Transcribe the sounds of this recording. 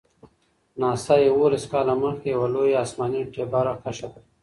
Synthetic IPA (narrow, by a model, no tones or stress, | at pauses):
nɑːst̪ajewolaskɑːlaməxkejawalojeaːsmɑniʈebaɾaxaʃat̪